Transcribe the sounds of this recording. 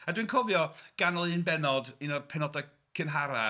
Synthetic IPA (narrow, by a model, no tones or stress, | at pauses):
adwɨnkʰɔvjɔɡ̥anɔlˠɨnbɛnɔdinɔpʰɛnɔda | kʰɪnɦaɾa